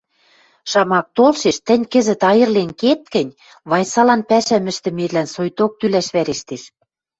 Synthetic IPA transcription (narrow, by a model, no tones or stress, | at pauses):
ʃɑmɑk̚t̪olʃeʃt̪ɘ̆nʲkə̆zɘ̆t̪ɑjɤ̆rlenket̪̚kɘ̆nʲ | βɑjsɑlɑnpæʃæmɘ̆ʃt̪ɘ̆melænsojt̪ok̚t̪ylæʃβæɾeʃt̪eʃ